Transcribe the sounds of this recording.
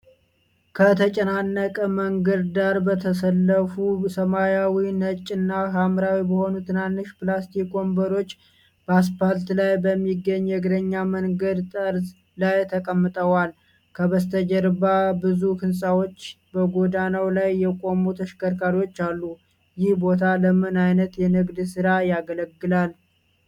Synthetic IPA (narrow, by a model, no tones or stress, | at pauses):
kʰət̪ʰət͡ʃʼənanːəkʼəməŋɡəɾd̪aɾbət̪ʰəs̬əlːəfusəmajawinət͡ʃʼːɪnːakamɾawibəho̞nut̪ʰɨnanːɨʃplast̪ʰiko̞mbəɾo̞t͡ʃː | b̥əas̬palt̪lajbəmːiɡːəɲːjɛɡɨɾəɲːaməŋɡəd̪t̪ʼəɾs | lajt̪ʰəkʼəmːɨt̪ʼəwal | kʰəβəst̪ʰəd͡ʒɛɾbabɨzukɨnsʼawo̞t͡ʃː | bəɡo̞d̪anawlajːɛkʼo̞mut̪ʰəʃkʰəɾkʰʼaɾo̞t͡ʃːalːu | jɪhbo̞t̪ʰaləmɨnajnət̪jɛnɨɡd̪sɨɾajaɡələɡːɨlal